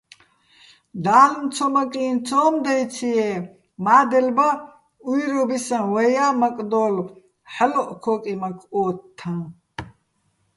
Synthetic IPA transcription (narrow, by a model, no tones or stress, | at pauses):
d̪aːlmt͡sʰɔmakʼiːnt͡sʰɔːmd̪ajt͡sʰiɛ | maːd̪ɛlba | ujɾɔbisãwɛjaːmakʼd̪ɔːl | ħalɔʔkʰɔːkʼimakʰɔːt̪ʰːã